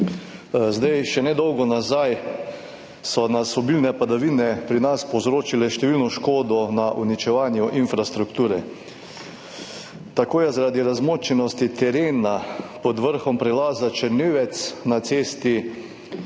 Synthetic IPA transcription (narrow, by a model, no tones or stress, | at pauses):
zd̪ajʃɛnɛd̪ɔwɡɔnazaj | sɔnasɔbilnɛpad̪aʋiːnɛpɾinaspɔwzɾoːt͡ʃilɛʃt̪ɛʋilnɔʃkoːd̪ɔnaʔunit͡ʃɛʋaːnjuʔinfɾast̪ɾukt̪uːɾɛ | t̪akoːjɛzaɾaːd̪iɾazmoːt͡ʃɛnɔst̪it̪ɛɾeːnapɔd̪ʋəɾxɔmpɾɛlaːzat͡ʃɛɾneːʋɛt̪snat̪seːst̪i